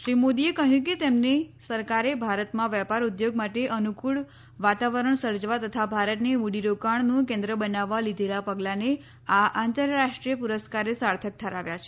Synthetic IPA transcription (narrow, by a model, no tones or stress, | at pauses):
ʃɾimod̪iekəɦjũk̬et̪emnesəɾkaɾebʱaɾət̪mãʋjɛpaɾud̪joɡ̚maʈeʔənukuɭ | ʋat̪aʋəɾəɳsəɾd͡ʒʋat̪ət̪ʰabʱaɾət̪neʋuɽiɾokaɳ̃nũkɛ̃nd̪ɾəbənaʋːalid̪ʱelapəɡlãne | aʔant̪əɾːaʂʈɾijəpuɾəskaɾesaɾt̪ʰək̚t̪ʰəɾaʋjat͡ʃʰe